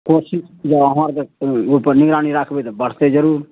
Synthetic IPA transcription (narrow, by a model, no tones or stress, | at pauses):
koːsɪʃd͡ʒaɐmaːɾkepəɾnɪɡɾaːniɾakʰbet̪bəɽ̤t̪ed͡ʒəɾuːɾ